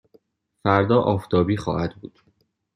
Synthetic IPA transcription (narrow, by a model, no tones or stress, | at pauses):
fæɾd̪ɒːʔɒːft̪ʰɒːbiːxɒ̰ːhæd̪buːd̪̥